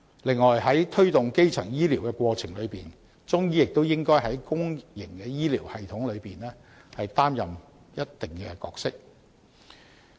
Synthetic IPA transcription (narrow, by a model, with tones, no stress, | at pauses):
lɪ˨˧ŋːɔː˨˩jɦɐ˨˥jt̪ʰɵ˥ɥt̪ʊ˨ŋke˥jt͡sʰɐ˨˩ŋjiː˥liː˨˩wkɛ˧kwɔː˧t͡sʰɪ˨˩ŋlɵ˨˧ɥpiː˨n | t͡sʊ˥ŋjiː˥jɪ˨k̚t̪o˥wjɪ˥ŋkɔː˥jɦɐ˨˥jkʊ˥ŋjɪ˨˩ŋkɛː˧jiː˥liː˨˩whɐ˨jt̪ʰʊ˨˥ŋlɵ˨˧ɥpiː˨nlɛː˥hɐ˨jt̪aː˥mjɐ˨m | jɐ˥t̚t̪ɪ˨ŋkɛ˧kɔ̰ː˧k̚sɪ˥k̚